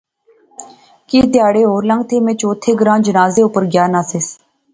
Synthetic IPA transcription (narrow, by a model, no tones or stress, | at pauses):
kiːt̪ɪjaːɽeːɦoːɾlə̃ŋɡ̚t̪ʰeːmẽːt͡ʃoːt̪ʰeːɡəɾãːd͡ʒənaːzeːʊpəɾɡjaːnaːseːs